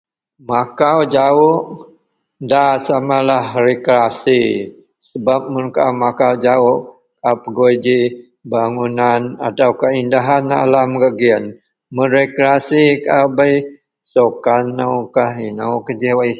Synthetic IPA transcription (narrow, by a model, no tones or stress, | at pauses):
makawd͡ʒaʊʔ | dasamalahrekɾasi | səbap̚mʊnka̰makawd͡ʒaʊʔ | kapəɡoid͡ʒi | baŋunana̰t̪awkaindaɦana̰lamɡəɡiən | mənɾekɾasikabaj | sokanːawkahinawkəd͡ʒiwaj